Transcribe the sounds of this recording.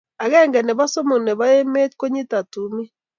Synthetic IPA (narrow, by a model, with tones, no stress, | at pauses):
a˨ɣɛ˦˨ŋɡɛ˨ne˨βa˦so˦mo˨ne˨βa˦e˦me˦tko˦ɲi˦ta˨tu˨mi˦